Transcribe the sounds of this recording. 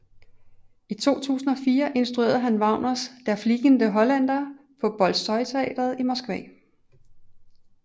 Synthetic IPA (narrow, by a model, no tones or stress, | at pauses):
it͡sʰo̝̰ːt͡sʰṵːsn̩ɒ̽fiːɐʔe̝nsd̥ʁue̝̰ːɐðˠɦænʋɑ̈ʊnɐsd̥æɐfliɡ̥ənd̥əɦɒ̽læn̰d̥ɐ | pʰɒ̽b̥ɒ̽lsɒ̽ɪt͡sʰe̝ɛ̰ːd̥ɐð̞̩ˠimɒsɡ̥ʋɛ̰ː